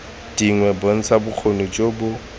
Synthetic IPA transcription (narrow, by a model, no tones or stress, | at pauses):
d̥iŋwɛbon̩t͡sʰabʊk͡xʰonut͡ʃʼobʊ